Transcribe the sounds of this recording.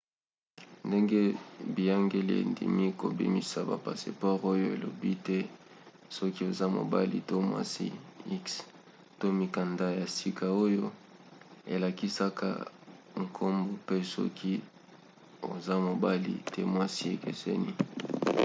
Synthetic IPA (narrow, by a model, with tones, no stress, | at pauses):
nde˦ŋɡe˦bi˨ja˦ŋɡe˦li˦ḛ˨ndḭ˨mi˦ko˨bḭ˦mi˨sa˨ba̰˨pa̰˨sḛ˨pɔ˦ʁo˦jo˦e˨lo̰˨bi˦tɛ˦ | sɔ˦ki˦o˨za˦mo̰˨ba˦li˨to˦mwa̰˦sḭ˦i˦ks | to˦mi˨ka˨nda˦ja˨si˦kʰa˨o˦jo˦ | e˨la˨ki˦sa˦ka̰˦ŋ̩˨kʰo˦mbo˨pe˦sɔ̰˦kʰi˦ | o˨za˦mo˨ba˦lḭ˨tʰɛ˦mwa˦si˦e˨kḛ˨sḛ˦nḭ˦